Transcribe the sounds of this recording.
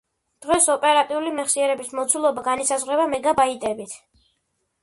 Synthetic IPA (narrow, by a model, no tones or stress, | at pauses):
d̪̥ʁɛsɔpʼɛɾat̪ʼiulimɛχsiɛɾɛbismɔt̪sʰulˠɔbaɡanisazʁwɾɛbamɛɡabait̪ʼɛbit̪ʰ